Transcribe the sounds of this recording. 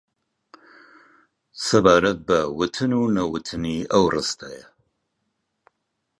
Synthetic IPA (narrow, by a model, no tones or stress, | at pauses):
sɐbaːɾɐt̪̚bɐwɨt̪ʰɨnunɐwɨt̪ʰɨniːʔɐwrɨst̪ʰajɛ